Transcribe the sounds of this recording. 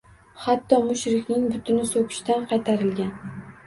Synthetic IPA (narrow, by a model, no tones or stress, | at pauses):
hat̪ʰːɒmʊʃɾɪkʲnɪŋbʊt̪ʰɪnɪsokʲʰɪ̥ʃt̪anqʰɑjt̪ʰaɾɪlɡʲan